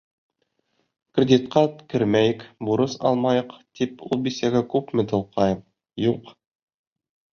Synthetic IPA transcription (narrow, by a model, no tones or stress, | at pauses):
krʲɪd̪ʲit̪qɑkɘɾmæjɘkbuɾɤsɑ̰lˠmɑjɤ̆qt̪ipṵlˠbisæɡækʉpmɘ̆t̪ɤ̆lˠqʰɑjɤm | juq